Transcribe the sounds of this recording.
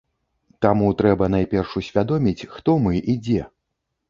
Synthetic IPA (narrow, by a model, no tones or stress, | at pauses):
t̪amut̪ɾɛbɐnajpʲɛrʂusʲvʲad̪ɔmʲit͡sʲxt̪ɔmɨʔid͡zʲɛ